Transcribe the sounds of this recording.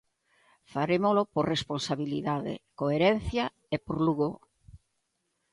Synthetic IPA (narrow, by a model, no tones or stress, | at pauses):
faɾemolopoɾresponsaβiliðaðḛkoeɾen̟θja | epoɾluɣo